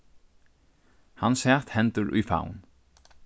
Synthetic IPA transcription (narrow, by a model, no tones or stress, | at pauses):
hansɛːt̪hɛnt̪ʊɾʔṵjfa̰ːwn